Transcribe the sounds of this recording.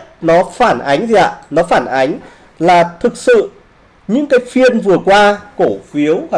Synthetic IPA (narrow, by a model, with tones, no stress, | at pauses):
nɔ˨˦faː˧˩nʔa˨˦jŋ̟zi˨ʔa̰ː˧˨nɔ˨˦faː˧˩nʔa˨˦jŋ̟ | laː˨˩t̪ʰɨ˨˩k̚sɨ̰˧˨ | ɲɨ̰˧˥ŋkaː˨˦jfi˧ənvɨ˨˩əkwaː˧ko˧˩fi˨˦əw